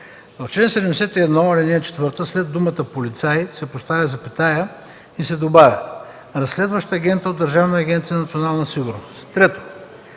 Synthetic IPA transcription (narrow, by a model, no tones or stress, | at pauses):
t͡ʃlɛnsɛd̪ɛmd̪ɛsɛt̪iɛd̪nɔɐlʲɛnʲɛt͡ʃɛ̥t̪vɤɾt̪əslɛd̪ːumət̪əpolit̪sajsɛpost̪avʲəzɐpit̪ajə | isɛd̪obavʲɐ | ɾɐsːlɛd̪vɐʃt̪əːɡʲɛnt̪əod̪ːɐɾʒavnːɡʲɛnt̪sijənɐt̪sionalˠnɐsiɡʊɾnost̪t̪ɾɛt̪o̥